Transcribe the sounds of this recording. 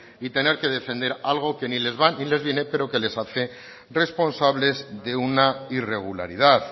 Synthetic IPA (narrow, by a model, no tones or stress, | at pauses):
it̪e̞neɾke̞ð̞e̞fẽ̞nd̪e̞ɾalɣ̞o̞ke̞nile̞zβanile̞zβje̞ne̞pe̞ɾo̞ke̞le̞saθe̞ | re̞spo̞nsaβle̞zðe̞unaire̞ɣ̞ula̰ɾḭð̞að